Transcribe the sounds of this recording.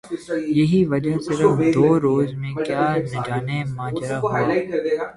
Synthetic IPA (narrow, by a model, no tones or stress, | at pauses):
jɐɦiʋɐd͡ʒasɪɾəfd̪oːɾoːzmẽkjaːnɐd͡ʒaːnemãːd͡ʒɾaɦ